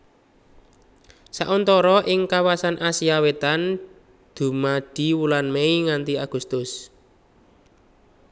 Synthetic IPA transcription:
sa̰ʔɔnt̪ɔɾɔʔɪŋkawasanʔasiawet̪an | d̪̥ṳmad̥i̤wulanmeiŋant̪iaɡ̥ṳst̪ʊs

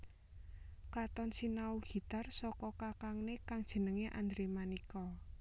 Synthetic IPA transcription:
kat̪ɔnsinauɡ̥i̤t̪arsɔkɔkakaŋnekaŋd̥ʒ̥ə̤nəŋeʔa̰nd̪ɾemanikɔ

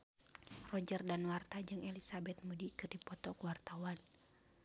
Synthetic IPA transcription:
rɔd͡ʒərdanwart̪ad͡ʒɨŋɛlisabɛt̪̚mudikɨrdipɔt̪ɔkuwart̪awan

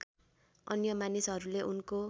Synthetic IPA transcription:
ʌnjʌmanisʌɾuleʔunko

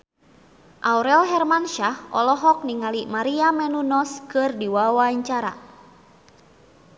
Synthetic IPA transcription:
ʔawɾɛlɦɛrmanʃahɔ̰lɔɦɔk̚niŋalimaɾiamɛnunɔskɨrdiwawaɲt͡ʃaɾa̰

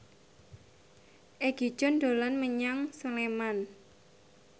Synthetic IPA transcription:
ʔeɡ̥i̥ʒ̥ɔ̤nd̪̥o̤lanməɲaŋsəleman

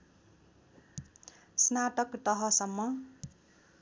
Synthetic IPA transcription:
snaʈʌkt̪ʌɦʌsʌmːʌ

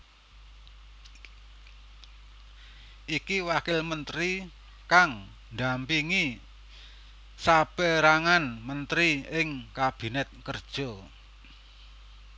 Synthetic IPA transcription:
ʔikiwakɪlmənt̪ɾi | kaŋ | nd̪ampiŋi | sab̥ɛɾaŋanmənt̪ɾiɪŋkab̥i̤nɛt̪̚kərd̥ʒ̥ɔ̤

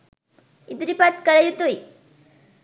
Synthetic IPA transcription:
id̪ɾipat̪kəɾejut̪uj

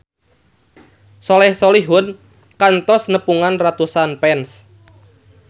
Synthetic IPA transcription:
sɔlɛhsɔliɦʊn | kant̪ɔsnəpuŋanrat̪usanpɛns

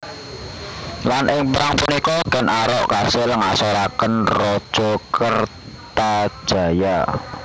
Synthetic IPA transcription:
lanʔɪŋpɾaŋpunikɔɡənʔaɾɔʔkasɪləŋasoɾakənrɔd̥ʒ̥ɔkər | t̪ḁʒ̥a̤ja

